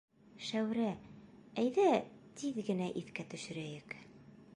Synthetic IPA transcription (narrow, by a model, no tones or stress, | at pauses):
ʃæwɾææjðæt̪ʰiðɡɘ̆næʔiθkæt̪ɵ̆ʃɘ̆ɾæjɘk